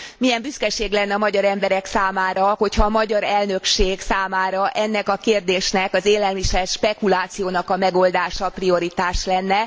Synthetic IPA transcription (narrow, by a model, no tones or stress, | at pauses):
mijɛmbyskɛʃeːɡlɛnːɛɒmɒɟɒɾɛmbɛɾɛksaːmaːɾɒho̞chɒːmɒɟɒɾɛlnø̞kʃeːɡsaːmaːɾɒʔɛnːɛkɒkeːrd̪eːʃnɛkɒzeːlɛlmiʃɛlʃpɛkulaːt̪sijoːnɒkɒmɛɡo̞ld̪aːʃɒprio̞ɾit̪aːʃlɛnːɛ